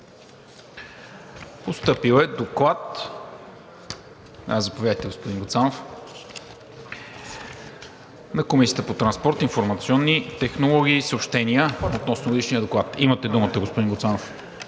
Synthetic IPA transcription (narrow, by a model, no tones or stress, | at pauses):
post̪ɤpilˠɛd̪oklˠat̪ | azɐpovʲjad̪əjt̪ɛɡospod̪inŋɡot̪sanof | nɐkomisijət̪əpot̪ɾɐnspɔɾt̪infoɾmɐt̪siɔnːit̪ɛxnolˠɔɡ̟iːsəopʃt̪ɛniəot̪nɔsnoɡod̪iʃniəd̪oklˠat̪imət̪ɛd̪umət̪əɡospod̪inɡot̪sanof